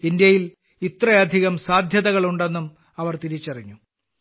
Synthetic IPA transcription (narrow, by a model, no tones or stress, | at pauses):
ind̪jɐjil | it̪rɐjɐd̪ʱiɣɐmsaːd̪ʱjɐðɐɣɐɭuɳɖe̞nːum | ɐʋɐrt̪iɾit͡ɕːɐriɲːu